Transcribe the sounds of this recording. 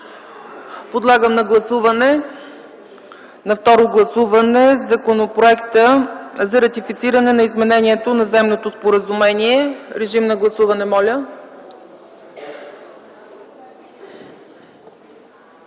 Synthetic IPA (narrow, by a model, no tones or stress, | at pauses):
pod̪lˠaɡəmnɐɡlˠɐsuvɐnɛ | nɐft̪ɔɾoɡlˠɐsuvɐnɛzɐkonopɾoɛkt̪əzɐɾɐt̪ifit̪siɾɐnɛnɐizmɛnɛniɛt̪onɐzɛmnot̪ospoɾəzumɛniɛɾɛʒimnɐɡlˠɐsuvɐnɛmɔlʲə